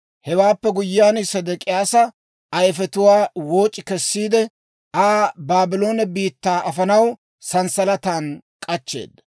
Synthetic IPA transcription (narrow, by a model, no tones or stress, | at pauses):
hɛwaːpːɛɡʊjːaːnsɐd̪ɐkʼɪjaːsɐ | ʔɐjfɛt̪ʊwaːwo̞ːt͡ʃʼːɪkɛsːiːd̪ɛ | aːbaːbɪlo̞ːnɐbiːt̪ːaːʔɐfɐnɐw | sɐnsɐlɐt̪aːnkʼɐt͡ʃːe̞̰ːd̪ːɐ